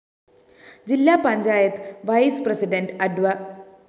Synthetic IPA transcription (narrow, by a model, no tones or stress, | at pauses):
d͡ʑilːaːpɐɲd͡ʑaːjɐt̪ːɨʋɐjsprɐsiɖɐnɖɨɐɖʋɐ